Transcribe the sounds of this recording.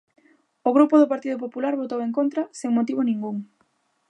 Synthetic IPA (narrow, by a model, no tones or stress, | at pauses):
oɣɾupoðʊpaɾt̪iðʊpopulaɾβot̪oweŋkont̪ɾɐseŋmot̪iβonĩŋɡuŋ